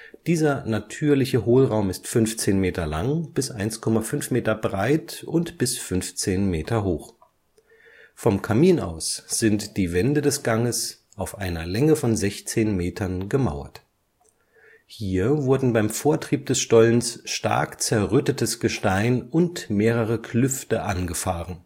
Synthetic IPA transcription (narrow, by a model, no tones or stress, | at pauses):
d̥iːzɐnatʰyːɐlɪçəɦoːlʁaʊmɪstfʏnft͡seːnmeːtɐlaŋb̥ɪsʔaɪnskʰɔmafʏnfmeːtɐbʁaɪtʔʊntb̥ɪsfʏnft͡seːnmeːtʰɐɦoːx | fɔmkʰamiːna̰ʊsz̥ɪntd̥iːvɛndədɛsɡ̥aŋəs | ʔaʊfʔaɪnɐlɛŋəfɔnzɛçt͡seːnmeːtʰɐnɡəma̰ʊɐ̰t | hiːɐvʊɐdn̩baɪmfoːɐtʁ̥iːp̚d̥ɛsʃtɔlənsʃta̰ɐkt͡sɛɐʁʏtətəsɡ̥əʃtaɪnʊntmeːʁəʁ̞əkʰlʏftəʔanɡəfaːʁən